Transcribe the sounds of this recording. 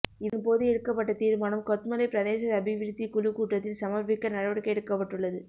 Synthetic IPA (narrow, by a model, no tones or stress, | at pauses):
ɪðɯnpoːðɯɛɽɯkːɐp̬ːɐʈːɐt̪iːɾmaːnɐmkɔt̪mɐlɐɪpɪɾɐðeːsɐðɐbɪʋɪɾt̪ːikʊlukuːʈrɐt̪ːɪlsɐmɐɾpɪkːɐnɐɻɐʋɐɽɯkːɐɛɽɯkːɐpːɐʈːɯɭːɐðɯ